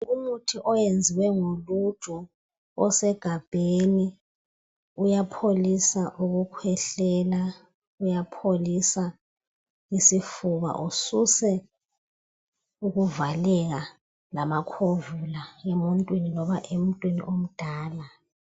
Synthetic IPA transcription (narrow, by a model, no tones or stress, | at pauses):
umutʰiʔɔjend͡zʱiwɛŋolutʼu | ɔsɛɡ̥ʱab̥ʱeni | ujapʰolisaʔuɣukʰwɛɬɛːla | ujapʰolisa | isifuβa̰ʔususɛ | uɣuvalɛɣ̬a | lamakʰovulaemɔntʼwininɔβaʔem̩tʼwinḭʔom̩d̥ʱaːla